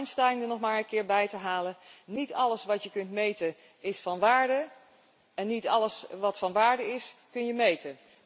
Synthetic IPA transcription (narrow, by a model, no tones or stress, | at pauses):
nstɛlɪŋdənɔχmaːɹə̃nkɪːɹbɛjtəɦaːlənitɑləsʋɑtjəkɵntmejtə | ɪsfɑnʋaːɹdə | ɛnːitɑləsʋɑtfɑnʋaːɹdəɪskɵnjəmejtən